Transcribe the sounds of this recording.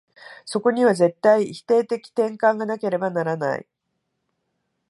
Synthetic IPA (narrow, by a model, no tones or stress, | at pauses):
so̞ko̞ɲ̟iβ̞aze̞t̪ːaiçi̥t̪e̞ːt̪e̞kʲi̥t̪ẽ̞ŋkãŋɡanake̞ɾe̞banaɾana̰ḭ